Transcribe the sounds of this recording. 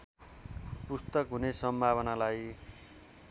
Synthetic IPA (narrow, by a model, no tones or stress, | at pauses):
pust̪ʌkɦunesʌmbʱaβʌnalaj